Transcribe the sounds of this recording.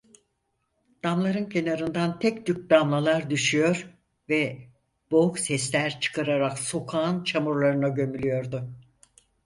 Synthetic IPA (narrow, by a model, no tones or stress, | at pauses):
d̪̥amlˠaɾɯncʰe̞naɾɯnd̪ant̪ʰɛcd̪yk̚d̪amlˠalˠaɾd̪yʃyjo̞ɾ | vɛ | b̥o̞uksɛslʲæɾt͡ʃʰɯ̥kʰaɾaɾakso̞kʰaːnt͡ʃʰamuɾlˠaɾɯnaɟø̞mylʲyjo̞ɾd̪ʊ